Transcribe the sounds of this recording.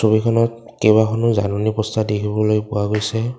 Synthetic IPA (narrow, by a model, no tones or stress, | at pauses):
sobikʰɔnɔt | kejbakʰɔnʊzanɔnipɔstadekʰibɔlojpʊwaɡojsɛ